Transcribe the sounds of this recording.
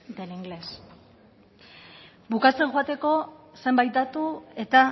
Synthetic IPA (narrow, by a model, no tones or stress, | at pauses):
d̪eniŋɡle̞s | bukat͡se̞ŋʝoat̪e̞ko̞se̞mbajt̪̚d̪at̪ue̞t̪a